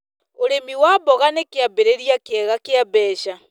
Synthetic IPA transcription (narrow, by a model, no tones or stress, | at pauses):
oɾemiwabɔɣanekeabeɾeɾjakɛɣakeabɛːʃa